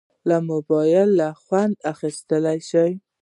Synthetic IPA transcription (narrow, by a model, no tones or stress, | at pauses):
lamʊbɑjɪlːaxwand̪axist̪əlajʃaj